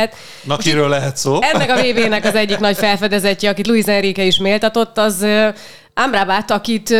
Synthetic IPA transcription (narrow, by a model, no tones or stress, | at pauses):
ɛt̪ | nɒkiɾøːlːɛɦɛt̪soːɛnːɛkɒveːbeːnɛkɒzɛɟːiknɒcfɛlfɛd̪ɛzɛcːɛɒkit̪luizɛnrikɛiʃmeːlt̪ɒt̪o̞t̪ːɒz | ʔamrabat̪ːɒkit̪